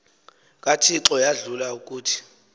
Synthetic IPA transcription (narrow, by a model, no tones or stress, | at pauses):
kʼatʰiǁɔjaɮulauk̬ʼuːtʰi̥